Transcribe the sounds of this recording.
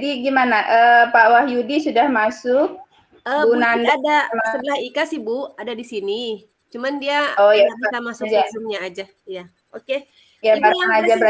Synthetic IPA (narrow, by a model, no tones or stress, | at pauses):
diɡimanaʔəːpawahjudisudahmasʊk̚ | əɡunanadamasəbəlahikasihbʊadadisini | t͡ʃumandiaɔjaaamasʊd͡ʒasʊmɲaːd͡ʒa | ja | oke | jabaɾaŋad͡ʒabəɾa